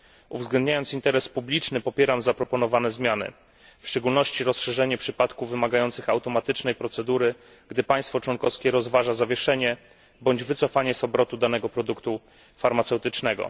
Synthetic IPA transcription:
uvzɡlɛnd̪̚ɲajɔnt̪sint̪ɛɾɛspublʲit͡ʂnɘpɔpʲjɛɾamzapɾɔpɔnɔvanɛzmʲjanɘ̰ | fʂt͡ʂɛɡulnɔɕt͡ɕiɾɔsʂɛʐɛɲɛpʂɘpat̪kuvvːɘmaɡajɔnt̪sɘxawt̪ɔmat̪ɘt͡ʂnɛjpɾɔt̪sɛd̪uɾɘ | ɡd̪ɘpaj̃st̪fɔt͡ʂwɔnkɔfskʲɛɾɔzvaʐazavʲjɛʂɛɲɛ | bɔɲd͡ʑvɘt̪sɔfaɲɛsɔbɾɔt̪ud̪anɛɡɔpɾɔd̪ukt̪u | faɾmat̪sɛwt̪ɘt͡ʂnɛɡɔ̰

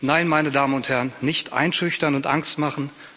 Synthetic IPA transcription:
naɪnmaɪnədaːmənʊnthɛɐənnːɪçtʔa̰ɪnʃʏçtɐnʊntʔa̰ŋstmaχn̩

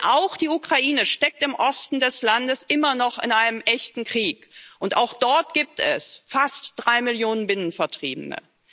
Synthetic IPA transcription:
ʔaʊxd̥iːukʁ̥aʔiːnəʃtɛk̚tɪmʔɔstn̩dɛslandəsʔɪmɐnɔχɪnʔaɪnəmʔɛçtn̩kʁ̥iːkʔʊntaʊxd̥ɔɐt̚ɡ̥iːp̚tʰɛ̰sfastd̥ʁaɪmɪljoːnənbɪnənfɛɐtʁ̥iːbənə̰

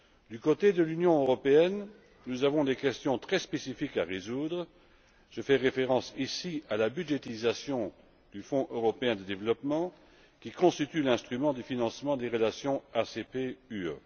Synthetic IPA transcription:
d̪ykot̪ed̪əlynjɔ̃øʁɔpeɛn | nuzavɔ̃d̪ekʲɛst̪jɔ̃t̪χɛspesifikaʁezud̪ʁ | ʒ̥əfɛʁefeʁɑ̃sisialabyʒet̪izasjɔ̃ | d̪̥yfɔ̃ʔøʁɔpeɛ̃d̪əd̪evlɔpmɑ̃ | kʲikɔ̃st̪it̪ylɛ̃st̪χymɑ̃d̪əfinɑ̃smɑ̃d̪eʁəlasjɔ̃asepeyø̰

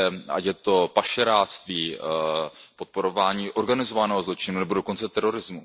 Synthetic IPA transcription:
a̰cjɛt̪o̞paʃɛɾaːst̪viː | po̞t̪̚po̞ɾo̞vaːɲiːʔo̞ɾɡanɪzo̞vanɛːɦo̞zlo̞t͡ʃɪnunɛbo̞do̞ko̞nt͡sɛt̪ɛɾo̞ɾɪzmu

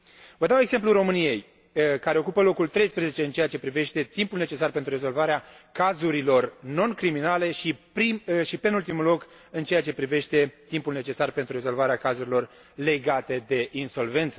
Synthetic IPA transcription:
vəd̪aweɡz̥e̞mpluro̞mɨnije̞j | kaɾe̞o̞kupəlo̞kult̪ɾe̞jspɾeze̞t͡ʃe̞ɨnt͡ʃe̞jat͡ʃe̞pɾive̞ʃt̪e̞t̪impulne̞t͡ʃe̞sarpent̪ɾuɾre̞zo̞lvaɾea | kazuɾilo̞rno̞nkɾiminale̞ʃipɾiʃipenult̪imulo̞k | ɨnt͡ʃejat͡ʃe̞pɾive̞ʃt̪e̞t̪impulne̞t͡ʃe̞sarpent̪ɾuɾe̞zo̞lvaɾeakazuɾilo̞r | le̞ɡat̪e̞d̪e̞ʔinso̞lve̞nt̪sə

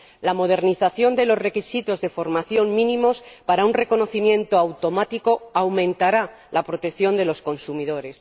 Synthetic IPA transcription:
lamo̞ð̞e̞ɾniθaθjo̞nd̪e̞lo̞zre̞kisit̪o̞zðe̞fo̞ɾmaθjo̞ŋmĩnĩmo̞spaɾaunre̞ko̞no̞θimjẽ̞nt̪oawt̪o̞mat̪iko̞awmẽ̞nt̪aɾa | lapɾo̞t̪ekθjo̞nd̪e̞lo̞sko̞nsumiðo̞ɾe̞s

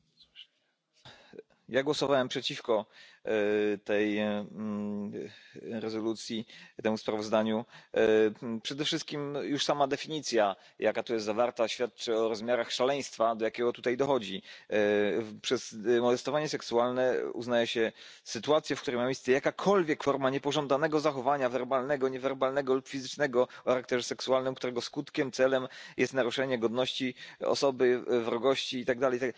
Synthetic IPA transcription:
jaɡwɔsɔvawɛmpʂɛt͡ɕifkɔ | t̪ɛj | ɾɛzɔlut̪sʲjit̪ɛmuspɾavɔzd̪aɲu | pʂɛd̪ɛfʂɘst̪̚kʲimjuʂsamad̪ɛfʲiɲit̪sʲja | jakat̪ujɛst̪zavaɾt̪aɕfʲjat̪̚t͡ʂɨɔɾɔzmʲjaɾaxʂalɛj̃st̪fad̪ɔjakʲɛɡɔt̪ut̪ajd̪ɔxɔd͡ʑi | pʂɛsmɔd̪ɛst̪ɔvaɲɛsɛksualnɛṵznajɛɕɛ | sɘt̪uat̪sʲjɛfk̚t̪uɾɛjmamʲjejst̪sɛjakakʰɔlvʲjɛkfɔɾmaɲɛpɔʐɔ̃nd̪anɛɡɔzaxɔvaɲavɛɾbalnɛɡɔɲɛvɛɾbalnɛɡɔlupfʲizɘt͡ʂnɛɡɔxaɾak̚t̪ɛʐɛsɛksualnɘmkt̪uɾɛɡɔskut̪kʲɛmt̪sɛlɛmjʔɛst̪naɾuʂɛɲɛɡɔd̪nɔɕt͡ɕiɔ̰sɔbɘvɾɔɡɔɕt͡ɕiːt̪aɡ̚d̪alɛjt̪aɡ

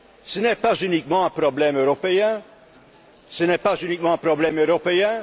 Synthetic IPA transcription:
sənɛpazynikmɑ̃ɛ̃pʁɔblɛmøʁɔpeɛ̃ | sənɛpazynikmɑ̃ɛ̃pʁɔblɛmøʁɔpeɛ̃

